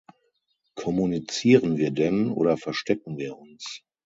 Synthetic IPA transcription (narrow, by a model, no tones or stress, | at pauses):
kʰɔmunit͡siːʁənviːɐdɛnʔo̰ːdɐfɛɐʃtɛk̚ŋ̩viːɐʊns